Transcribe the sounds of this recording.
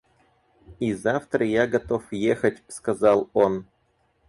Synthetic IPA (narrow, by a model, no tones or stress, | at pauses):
izaft̪ɾəjaɡɐt̪o̞fjexətʲskɐzɑlˠo̞n